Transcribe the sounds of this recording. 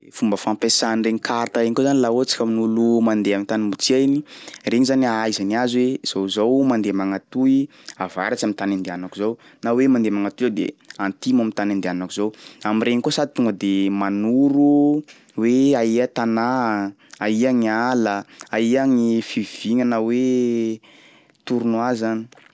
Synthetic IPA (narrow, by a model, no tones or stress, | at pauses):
fumbəfampesanreɲikaɾt̪aɾeɲikozanilaot͡si̥kəminulumand̪eamint̪animbut͡siainireŋizaniajzaniazwez̥owzowmand̪emaŋat̪ui | ava̰ɾat͡ʃamint̪anand̪eanakuzownawemand̪emaŋat̪uad̪ḛant̪imamint̪anand̪eanakuzowamireŋikosad̪i̥t̪uŋɡəd̪emanuɾu | weaiət̪ana | aiaŋaləaiaŋifiv̥iŋənawe | t̪uɾunwazani̥